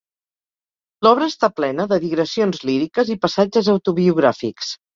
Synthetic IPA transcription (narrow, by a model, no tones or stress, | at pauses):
lɔβ̞ɾəːst̪aplɛnəðəðiɣɾəsionzliɾikəzipəsad͡ʒəzəwt̪uβiuɣ̞ɾafḭks